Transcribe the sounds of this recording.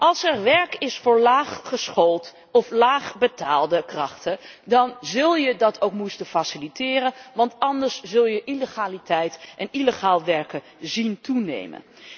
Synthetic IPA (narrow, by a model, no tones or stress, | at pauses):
ʔɑlˠsɛɹʋɛɹkɪsfʊːɹlaːχχəsχolˠt | ɔflaːχbətaːlˠdəkrɑχtədɑnzɵlˠjədɑtʰowkmustəfasilitɪːrənʋɑntɑndəɹszɵlˠjəʔiləχaːlitɛjtʔɛniləχaːlˠʋɛɹkə | zintunḛjmə̰n